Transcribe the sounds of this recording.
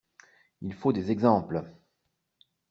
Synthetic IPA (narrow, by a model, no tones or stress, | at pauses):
ilfod̪ezɛɡzɑ̃pl